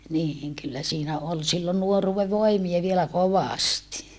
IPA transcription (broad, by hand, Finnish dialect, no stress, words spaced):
niːŋ kylːæ siːnæ ol silːon nuoruːʋe ʋoimiɑ ʋielæ koʋɑˑsti